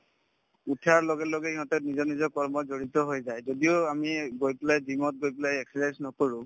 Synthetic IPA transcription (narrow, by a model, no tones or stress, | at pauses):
utʰaɹlɔɡɛlɔɡɛiɦɔtɛnizɔɹnizɔkɔɹmɔzoɹitɔɦojzajzodiʊamiɡojplajzimɔt̚ɡojplajɛksiɹɛnsnɔkoɹʊ̃